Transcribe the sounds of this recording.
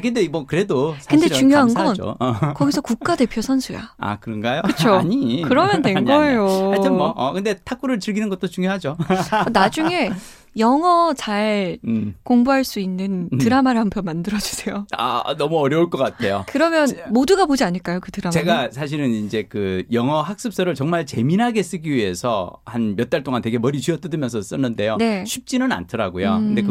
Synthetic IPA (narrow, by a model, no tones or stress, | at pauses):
kɯndeibʌkɯɾe̞dosʰkɯnde̞t͡ɕuŋjoɦanɡʌno̰kʌɡisʰʌkuk̚k͈ade̞pʰjosʰʌnsʰuja̰a̰kɯɾʌnɡajokɯt͡ɕʰoɲikɯɾʌmjʌndwe̞nɡʌejoaʌmʌkɯnde̞tʰak͈ʰuɾɯɭt͡ɕɯɭɡinɯnɡʌt͈̚ot͡ɕuŋjoɦad͡ʑonad͡ʑuŋe̞ | jʌŋʌt͡ɕaɭ | koŋbuɦaɭs͈uinːɯntɯɾamaɾhampʰjʌnmandɯɾʌd͡ʑu̥sʰejoa̰nʌmuʌɾjʌuɭk͈ʌk͈atʰe̞jokɯɾʌmjʌnmoduɡapod͡ʑiaɲɯɭk͈ajokɯtɯɾamt͡ɕe̞ɡasʰaɕ̬ʰiɾɯnind͡ʑe̞kɯjʌŋʌɦak̚s͈ɯp̚s͈ʌɾɯɭt͡ɕʌŋmaɭt͡ɕe̞minɦaɡe̞s͈ɯɡiɥiɦe̞sʰʌ̰hanmjʌt̚t͈aɭt͈oŋantwe̞ɡe̞mʌɾit͡ɕiʌt͈ɯdɯmjʌnsʰʌs͈ɯnːɯnde̞jone̞ɕʰɥip̚t͡ɕ͈inɯna̰ntʰʌɾa̰ɡojokɯnde